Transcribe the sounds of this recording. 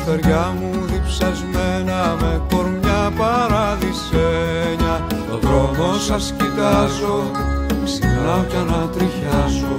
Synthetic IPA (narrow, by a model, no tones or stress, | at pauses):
t̪eɾʝɐmuðipsɐzmenɐmeko̞ɾmɲɐpɐɾɐðiseɲɐoðɾonosɐscit̪ɐzo̞ | sixnɐocɐnɐt̪ɾiçɐzo